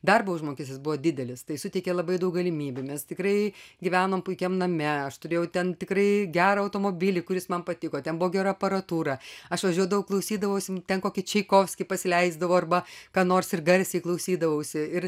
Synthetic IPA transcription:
d̪ɐrboʊʒmoːkʲɪsʲɪsbʊʋoːdʲɪd̪ʲɛlʲɪst̪ɐɪsʊtʲɛɪkʲeːlˠɐbɐɪd̪ɐʊk̚ɡɐlʲɪmʲiːbʲʊmʲɛst̪ʲɪkɾɐɪɡʲɪʋʲæːnoːmpʊɪkʲɛmnɐmʲɛɐʃt̪ʊɾʲeːjɛʊt̪ʲɛnt̪ʲɪkrɐɪɡʲæːɾɐɐʊt̪oːmobʲɪlʲɪkʊɾʲɪsmɐnpɐt̪ʲɪkoːt̪ʲɛnbʊʋoːɡʲɛɾɐɐpɐɾɐt̪uːɾɐɐʃʋɐʒʲuɔd̪ɐʋɐʊklˠɐʊsʲiːd̪ɐʋɐʊsʲɪt̪ʲɛnkoːkʲɪt͡ʃʲɛɪkoːfʲsʲkʲɪpɐsʲɪlʲɛɪzd̪ɐʋoːɐrbɐkɑːnoːrsɪrɡɐɾʲsʲɛɪklˠɐʊsʲiːd̪ɐʋɐʊsʲɪɪr

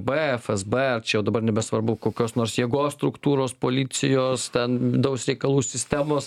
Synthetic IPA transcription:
beɛfɛzbeɛrt͡ʃʲɛjɛʊd̪ɐbɐrnʲɛbʲɛsʋɐɾbʊkoːkʲoːsnoːrɾsjiɛɡoːsst̪ɾʊkt̪uːɾoːspoːlʲɪsʲɪjoːst̪ʲɛnʲɪd̪ɐʊsɾʲɛɪkɐlˠuːsʲɪsʲt̪ʲæːmoːs

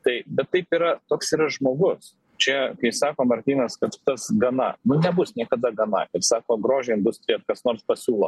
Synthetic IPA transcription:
t̪ɐɪbʲɛt̪ːɐɪpiːɾɐt̪oːksiːɾɐʒmoːɡʊs | t͡ʃʲɛkɐɪsɑːkoːmɐɾʲt̪ʲiːnɐskɐt̪t̪ɐsɡɐnɐnʊnʲɛbʊsnʲiɛkɐd̪ɐɡɐnɐ̰ɪrsɑːkoːɡɾoːʒʲɛɪnd̪ʊsʲt̪ʲɾʲɪjɛt̪kɐsnoːɾspɐsʲuːlˠoː

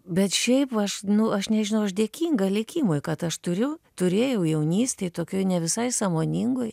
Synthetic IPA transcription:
bʲɛt̪ʃʲɛɪpɐʃnʊɐʃnʲɛʒʲɪnɐʊɐʃd̪ʲeɛkʲiːŋɡɐlʲɪkʲiːmoːjkɐt̪ɐʃt̪ʊɾʲʊt̪ʊɾʲeːjɛʊjɛʊnʲiːsʲt̪ʲɛɪt̪oːkʲoɪnʲɛʋʲɪsɐɪsɑːmoːnʲiŋɡoj

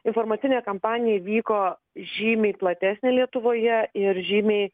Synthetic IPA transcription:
ɪnfoːɾmɐːɪnʲeːkɐmpɑːnʲɪjɛʋʲiːkoː | ʒʲiːmʲeɪplˠɐt̪ʲæːsʲnʲɪlʲiɛt̪ʊʋoːjɛɪɾʒʲiːmʲeɪ

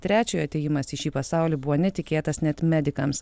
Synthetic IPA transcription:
t̪ʲɾʲæːt͡ʃʲoːjɐt̪ʲɛjɪmɐsɪʃʲiːpɐsɑˑʊlʲiːbʊʋoːnʲɛt̪ʲɪkʲeːt̪ɐsnʲɛt̪mʲɛd̪ʲɪkɐms

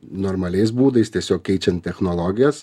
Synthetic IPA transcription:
noːɾmɐlʲɛɪs̬buːd̪ɐɪst̪ʲiɛsʲoːkʲkʲɛɪt͡ʃʲɛnt̪̚ʲtʲɛxnolˠoːɡʲɪjɛs

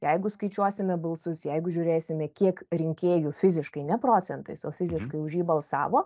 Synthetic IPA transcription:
jɛɪɡʊskɐɪt͡ʃʲuɔsʲɪmʲɛbɐlˠsʊsjɛɪɡʊʒʲʊːɾʲeːsʲɪmʲɛkʲiɛkɾʲɪŋʲkʲeːjʊfʲɪzʲɪʃkɐɪnʲɛpɾoːt͡s̪ʲɛnt̪ɐɪsoːfʲɪzʲɪʃkɐɪʊʒʲjiːbɐlˠsɑ̰ːʋoː

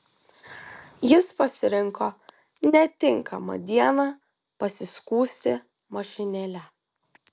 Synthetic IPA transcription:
jɪspɐsʲɪɾʲɪŋkoː | nʲɛt̪ʲɪŋkɐmɐ̰d̪ʲiɛnɑ | pɐsʲɪskuːsʲt̪ʲɪ | mɐʃʲɪnʲelʲɛ

